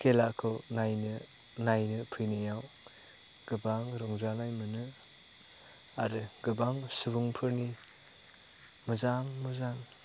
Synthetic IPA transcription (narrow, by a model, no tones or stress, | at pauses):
kʰelakʰɯwnajnɯ | najnɯpʰɯjnɯjaw | ɡ̥ɯbaŋɾɔŋzanajmɯnɯ | aɾɯɡɯbaŋsɯbuŋpʰɯɾni | mɯzaŋmɯzaŋ